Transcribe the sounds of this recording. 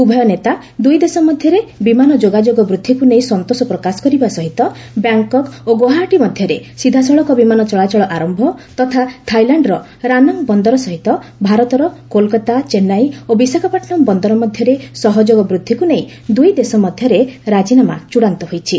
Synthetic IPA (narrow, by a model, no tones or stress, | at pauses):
ubʱɔjɔnet̪a | d̪ujd̪esɔmɔd̪ʱjɔɾebimanɔd͡ʒoɡad͡ʒoɡɔbɾud̪ʱːikuneĩsɔnt̪osɔpɾɔkasɔ̥kɔɾibasɔɦit̪ɔ | bjaŋkɔkoɡoɦaʈimɔd̪ʱjɔɾesid̪ʱasɔɭɔkɔbimanɔt͡ʃɔɭat͡ʃɔɭɔʔaɾɔmbʱɔt̪ɔt̪ʰat̪ʰajlaɳɖɾɔ | ɾanɔŋbɔnd̪ɔɾɔsɔɦit̪ɔbʱaɾɔt̪ɔɾɔkolkat̪at͡ʃenajobisakʰɔpaʈnɔmbɔnd̪ɔɾɔmɔd̪ʱjɔɾesɔɦɔd͡ʒoɡɔbɾud̪ʱːikuneĩ | d̪ujd̪esɔmɔd̪ʱjɔɾeɾad͡ʒinama̰t͡ʃuɽant̪ɔɦojt͡ʃʰi